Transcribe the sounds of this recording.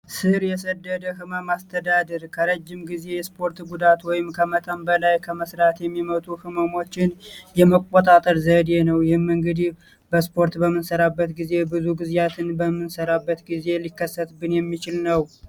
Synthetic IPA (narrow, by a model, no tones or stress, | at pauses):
sɨɾjɛsəd̪ːəd̪əɦɨməmast̪ʰəd̪ad̪əɾkʰəɾəd͡ʒːɪmɡize̞jɛspʰo̞ɾt̪ɡud̪at̪wɔjɪmkʰəmət̪ʼambəlajkʰəməsɾat̪jɛmːimət̪ʼuhɨməmo̞t͡ʃːɪnjɛməkʷʼːot̪ʼat̪ʼəɾzəd̪e̞nəwjɪhɨmɨŋɡɨd̪ih | bəspʰo̞ɾt̪bəmːɨnsəɾabːət̪ɡize̞bɨzuɡɨzjat̪ʰɨnbəmːɨnsəɾabːət̪ɡize̞likːəsːət̪bɨnjɛmːit͡ʃɪlnəw